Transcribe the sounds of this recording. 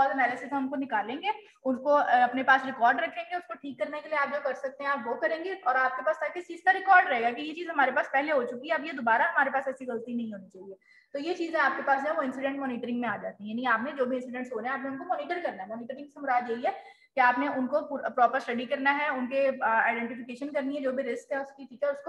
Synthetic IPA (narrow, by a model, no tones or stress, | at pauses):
ɔːzɐnɛːlɪsɪsɐmkonɪkaːlẽːŋɡeː | ʊnkoɐpnepaːsɾɪkɔːɾɖɾɐkʰːẽːŋɡeʊskoʈʰiːkːɐɾnekelieaːpd͡ʒokɐɾsɐk̚t̪ẽɦɛ̃aːpʋokɐɾẽːŋɡeɔːɾaːp̚kepaːst̪ʰaːkesiːst̪aɾɪkɔːɾɖɾɐɦeːɡakijet͡ʃiːzɦɐmaːɾepaːspɛɦleɦot͡ʃʊkiɦɛɐbjed̪obaːɾaɦɐmaːɾepaːsɛːsiɣɐlt̪inɐɦĩɦoːnit͡ʃaɡɛː | t̪ojet͡ʃiːzẽaːp̚kepaːs̬d͡ʒɦɛ̃ʋoɪ̃nsɪɖɛ̃ɳʈmɔːniːʈəɾɪ̃ŋɡmẽaːd͡ʒa̰ːt̪iɦɛ̃jaːnikeaːpnẽd͡ʒoːbʱiɪ̃nsɪɖɛ̃ɳʈsɦoːneɦɛ̃aːpneʊnkomɔːniːʈəɾkɐɾnaɦɛmɔːniːʈəɾɪ̃ŋɡsɐmʊɾaːd͡ʒ̪jeɦiɦɛː | kiaːpneʔʊnkopupɾɔːpəɾsʈɐɖikɐɾnaɦɛʊnkea̰ːɪɖɛ̃ɳʈɪfɪkeːʃənkɐɾniɦɛd͡ʒoːbʱiɾɪskɦɛʊskiʈʰiːkɛɔːɾʊsko